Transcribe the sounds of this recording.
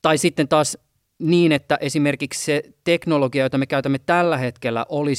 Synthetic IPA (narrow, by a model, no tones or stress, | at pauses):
t̪ɑisit̪ːent̪ɑːs | niːnet̪ːæʔesimerkiksset̪eknoloɡiɑjot̪ɑmekæyt̪æmːet̪ælːæhet̪kelːæ̰ʔoli